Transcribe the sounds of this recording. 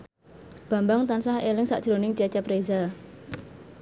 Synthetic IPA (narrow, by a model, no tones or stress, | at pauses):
b̥a̤mbaŋt̪ansahelɪŋsa̰ʔd̥ʒ̥ɾonɪŋt͡ʃɛt͡ʃapɾeza